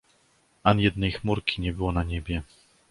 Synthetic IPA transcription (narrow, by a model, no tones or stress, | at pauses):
ʔanjɛd̪nɛjxmuɾkʲiɲɛbɘwɔnaɲɛbʲjɛ